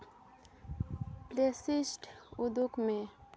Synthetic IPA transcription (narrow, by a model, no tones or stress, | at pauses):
plesɪsʈʊd̪ʊkmẽ